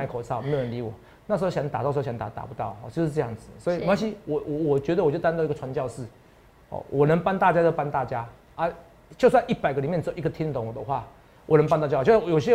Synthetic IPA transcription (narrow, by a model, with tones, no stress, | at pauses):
a˧˩kʰo˨˩sʰa˥˩ʊ˨˧˥ə˧˦nli˧˥wɔ˨˩˦ | na˥˩ʂ̬̩˧˥o˥˧˩ɕjŋt̪a˨t̪ʂ̩˧˥˩ɕɑ˧˥ŋt̪a̰˨˩t̪a̰˨˩pu˧˦t̪ɑ˥˩ʊɔ˥˨˩t͡ɕjʊʂ̩˥˧ʈ͡ʂja˥˩ŋd͡zɹ̩˨˩swɔ˧˥i˨˧a˥ɕi˥wɔ˨˩wɔ˨˩wɔ˨˩t͡ɕɥɛ˧˥d̪ə˨wt͡ɕo˥˩ʊt̪a˥˧nt̪i˥ɡə˨ʈ͡ʂʰwa˧˦nt͡ɕjɑ˥˧ʊʂɻ̩˥˩ | hɔ̰˨˩wʔɔ˨˩nə˧˦ŋpa˥nt̪a˥˧t͡ɕja˥jo˥˧ʊpa˥˦nt̪a˥˩t͡ɕja˦ | a˥˦ | t͡ɕjo˥˧ʊs̬wa˥˧ni˥˩pa˨˩ɪɡə˧i˨˩mjɛ˥˨nt͡s̩˥o˨˦˨i˧˥ɡə˧˩t̪ʰi˥nt̪o˨˧˦ŋwɔ˨˩d̪ə˦xwa˥˩ | wɔ˨˩nə˧˥ŋpa˥nt̪ja˥˧˩t͡ɕjo˨˩ʊɕ̬jɛ˦˥